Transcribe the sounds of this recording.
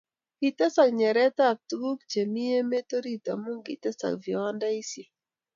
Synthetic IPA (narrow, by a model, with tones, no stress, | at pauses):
i˨tɛ˦sa˨kɲɛ˨ɾɛ˦ta˦˨k̚tɡu˦kt͡ʃe˨mi˦e˦me˦to˦ɾi˦ta̰˨mu˦ŋɡḭ˨tɛ˦sa̰˨kviwa˦nda˦i˦si˨